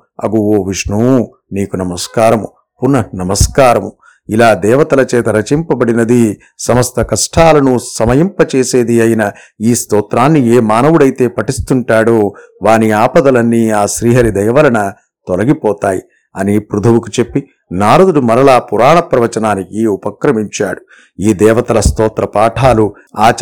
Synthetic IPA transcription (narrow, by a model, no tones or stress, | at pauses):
ɐ̰ɡuoːʋiʂɳu | niːkunɐmɐskaːɾɐmu | punːɐnɐmɐskaːɾɐmu | ilaːd̪ɛːʋɐt̪ɐlɐt͡ʃɛːt̪ɐɾɐt͡ʃimpɐbɐɽinɐd̪i | sɐmɐst̪ʰɐkɐʂʈʰaːlɐnusɐmɐjimpɐt͡ʃeːse̞ːd̪iɐjinɐ | iːst̪ɔːt̪ɾaːnːieːmaːnɐʋuɽɐjt̪e̞ːpɐʈist̪uɳʈaːɽoːʋaːniaːpɐd̪ɐlɐnːiaːʃɾiːɦɐɾid̪ɐjɐʋɐlɐnɐ | t̪ɔlɐɡipɔːt̪aːji | ɐnipɾud̪ʱɐʋukut͡ʃe̞pːi | naːɾud̪ulumɐɾɐlaːpuɾaːɳɐpɾɐʋɐt͡ʃɐnaːnikiupɐkɾɐmiɲt͡ʃaːɽu | iːd̪ɛːʋɐt̪ɐlɐst̪ɔːt̪ɾɐpaːʈʰaːlu | aːt͡ʃ